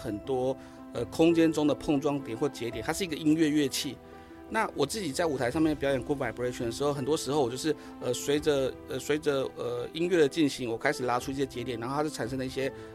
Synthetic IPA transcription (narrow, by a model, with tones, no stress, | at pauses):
xə˨˩nt̪wɔ˥ | ə˧kʰʊ˥ŋt͡ɕjɛ˥nʈ͡ʂʊ˥ŋd̪ə˨pʰɤ˥˧ŋʈ͡ʂwɑ˥˧ŋt̪jɛ˨˩nxwɔ˥˩t͡ɕjɛ˧˥jɛ˨˩˦nʰa˥ʂɻ̩˥˩˧ɡə˨i˥nɥɛ˥˧ɥɛ˥˧t͡ɕʰi˥˩ | na˥˩wɔ˨˩t͡sɹ̩˥˩t͡ɕi˨˩t͡sa˥˩ɪu˨˩t̪ʰa˧ɪʂɑ˥˧mɛ˥˩pi˨jɑ˥jɛ˨˩nku˥pa˨˥ɪ˩pu˧˥e˥˩t͡ɕʰɥɛ˨˩nə˩ʂɻ̩˧˥xxə˨˩nt̪wɔ˥ʂɻ̩˧˥xo˥˧wɔ˨˩t͡ɕjo˥˧ʊʂ̩˥˩ | ə˧swe˧˥ɪʈ͡ʂə˨ə˧˩swe˧˥ɪʈ͡ʂə˨ə˩i˥nɥɛ˥˩d̪ə˩t͡ɕi˥˩nɕi˧˥ŋwɔ˨˩kʰa˥ɪʂɻ̩˨˩la˧˥ʈ͡ʂʰu˥i˥˩ɕjɛ˥t͡ɕɛ˧˥t̪jɛ˨˩nɻa˧˥nxʰa˥˩˨nʂɤ˥ŋd̪ə˧i˥ɕjɛ˥